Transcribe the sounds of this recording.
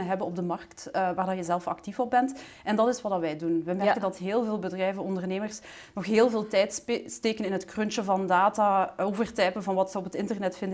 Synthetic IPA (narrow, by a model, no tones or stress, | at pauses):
nəɦɛbənɔb̚dəmɑrktːʋaːrdɔjəzɛlˠfɑ̰ktifɔp̚bɛnt | ɛndɑtɪsʋɑdɑʋɛjdunʋɛmɛɹkəndɑtɦeːlˠveːlˠbədrɛjvənɔndərneːmərs | nɔxɦeːlˠveːlˠtɛjtsteːkənɪnɦətkrønt͡ʃəvɑndaːtaːoːvərtɛpənvɑnʋɑtsəɔpətɪntərnɛtfɪndə